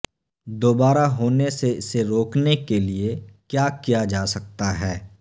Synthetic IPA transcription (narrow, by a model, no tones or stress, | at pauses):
d̪oːbaːɾaɦoːneseɪseɾoːknekeliekjaːkijad͡ʒaːsɐk̚t̪aɦɛː